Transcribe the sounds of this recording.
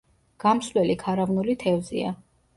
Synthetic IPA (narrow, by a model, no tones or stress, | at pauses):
ɡ̥amslɛlikʰaɾavnulit̪ʰɛvzḭa̰